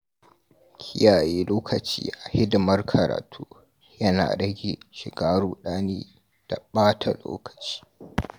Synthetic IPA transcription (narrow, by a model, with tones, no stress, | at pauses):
kʲʰɪ˦jaː˨jeː˦loː˦kʰɐ˨t͡ʃḭː˦ʔa˨hɪ˦dʊ˨mɐ˦rkʰɐ˨ɾa̰ː˨tʰuː˦ | jɐ˦na̰ː˨ɽɐ˦ɡʲeː˨ʃɪ˨ɡaː˦ɽuː˨ɗaː˦neː˦ | d̥a˨ɓaː˦tʰa˨lo̰ː˦kɐ̥˨t͡ʃi̥ː˦